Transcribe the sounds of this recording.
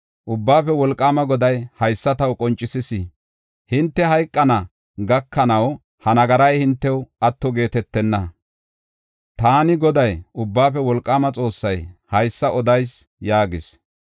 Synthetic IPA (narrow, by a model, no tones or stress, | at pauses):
ʔʊbːaːfɛwɔlkʼːaːmɐɡɔd̪ɐjhɐjsːɐt̪ɐwkʼɔnt͡ʃʼːɪsɪsɪ | hɪnt̪ːɛɦɐjkʼːɐnɐ | ɡɐkːɐnɐw | hɐnɐɡɐɾɐjhɪnt̪ːɛwɐt̪ːɔɡe̞ːt̪ɛt̪ːɛnːɐ | t̪aːnɪɡɔd̪ɐjʊbːaːfɛwɔlkʼːaːmɐt͡sʼo̞ːsːɐjhɐjsːɐʔɔd̪ɐjsjaːɡɪs